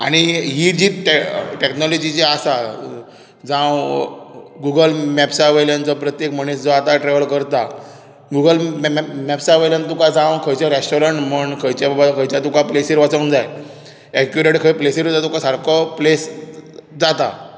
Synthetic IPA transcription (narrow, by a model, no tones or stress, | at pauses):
a̰ɽ̃iɦiːd͡ʑiːʈeʈeknɔlɔd͡ʑit͡ɕeasa | d͡zãw | ɡuɡəlmɛpsaʋəljant͡sɔpɾət̪jekməɳesd͡zɔat̪aʈɾeʋəlkəɾt̪a | ɡuɡəlmmɛpsaʋəljant̪ukad͡zãwkʰəjt͡ɕaɾesʈɔɾəɳʈməɳkʰəjt͡ɕjababakʰəjt͡ɕjat̪ukaplesiɾʋat͡sə̃nd͡zaj | ɛkjuɾeʈkʰəjplesiɾd͡zat̪ukasaɾkʰɔples | d͡zat̪a